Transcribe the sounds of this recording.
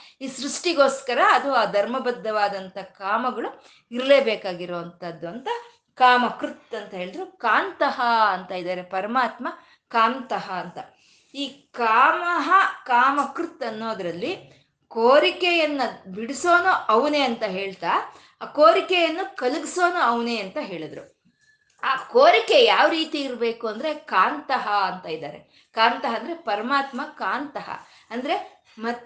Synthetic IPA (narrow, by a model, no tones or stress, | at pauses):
iːsɾuʂʈiɡo̞ːskɐɾɐːd̪uaːd̪ʱɐɾmɐbɐd̪ːɐʋaːd̪ɐnt̪ɐkaːmɐɡɐɭu | iɾleːbeːkaːɡiɾoːʋɐnt̪ɐd̪ːuɐnt̪ɐ | kaːmɐkɾut̪ːɐnt̪ɐɦe̞ːɭid̪ɐɾukaːnt̪ɐɦɐɐnt̪ɐid̪aːɾepɐɾɐmaːt̪mɐ | kaːnt̪ɐɦɐːnt̪ɐ | iːkaːmɐɦɐkaːmɐkɾut̪ːɐnːo̞ːd̪ɾɐlːi | koːɾikɛjɐnːɐbiɽiso̞ːnuʔɐʋne̞ːɐnt̪ɐɦeːɭt̪aː | koːɾikɛjɐnːukɐluɡiso̞ːnuɐʋne̞ːɐnt̪ɐɦe̞ːɭid̪ɾu | aːkoːɾikejaːʋɾiːt̪iːɾbe̞ːkuɐnd̪ɐɾe̞kaːnt̪ɐɦɐɐnt̪ɐid̪a̰ːɾe̞̰ | kaːnt̪ɐɦɐnd̪ɾe̞pɐɾɐmaːt̪mɐkaːnt̪ɐɦɐ̰ | ɐnd̪ɐɾe̞ | mɐ